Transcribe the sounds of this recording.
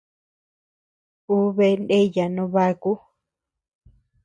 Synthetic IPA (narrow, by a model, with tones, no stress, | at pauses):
u˦βe˧nde˦ja˨nõ˧βa˧ku˦